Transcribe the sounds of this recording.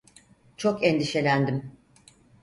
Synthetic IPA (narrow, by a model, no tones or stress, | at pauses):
t͡ʃʰokɛnd̪iʃe̞lʲænd̪im